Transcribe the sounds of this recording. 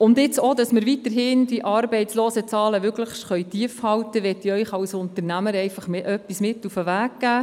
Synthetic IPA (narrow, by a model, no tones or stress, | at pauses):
ʊndɪt͡sod̪ɑsməɾʋit̪əɾɦɪnd̥iʔɑɾbɛɪtsloːsət͡sɑːləʋʏkləχʃtχœʏtiəfhɑwtəʋɛtiœʏχɑwsʊnt̪əɾnæməɾɛɪfɑχmeʔœpːismɪtufəʋæːkɡæː